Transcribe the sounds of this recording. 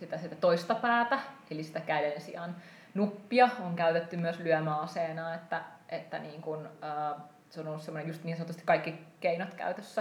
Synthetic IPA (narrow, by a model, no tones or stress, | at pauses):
sit̪æsit̪æt̪oist̪ɑpæːt̪æelisi̥t̪ækælensḭɑn | nupːiɑoŋkæyt̪et̪ːymyøslyœmæːɑseːnɑːet̪ːæʔet̪ːæ̰niːŋkunəː | seonolːusemːonejust̪niːnsɑnot̪ːˑust̪i̥kɑikːikeinot̪kæ̰yt̪øsːæ